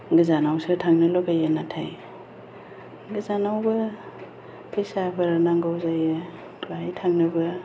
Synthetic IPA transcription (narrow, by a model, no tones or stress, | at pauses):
ɡɯzanawsɯtʰaŋnɯlɔɡajanatʰaj | ɡɯzanawbɯ | pʰejsabʰaɾanaŋɡawzaje | tʰuajtʰaŋnɯbɯ